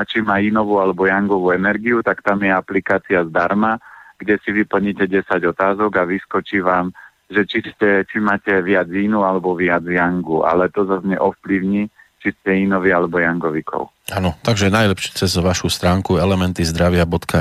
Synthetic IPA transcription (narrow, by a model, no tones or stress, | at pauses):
t͡ʃimaːinɔʋualɛbɔjaŋɡɔʋuːɛnɛɾɡiut̪akt̪amjɛaplikaːt͡siazd̪aɾmaɡ̥ɟɛsiʋipl̩ɲicɛɟɛsaɟɔt̪aːzɔɡaʋiskɔt͡ʃiːʋaːm | ʒɛt͡ʃiscɛt͡ʃimaːcɛʋɪad͡zinualɛbɔʋɪad͡zjaŋɡuʔa̰lɛt̪ɔzazɲɛʔɔfpliʊɲit͡ʃiscɛinɔʋialɛbɔjaŋɡɔʋikʰɔ̰ʊ | anɔt̪aɡʒɛnajlɛpʃiːt͡sɛzʋaʃust̪ɾaːŋkuɛlɛmɛnt̪izd̪ɾaʋɪabɔt̪ka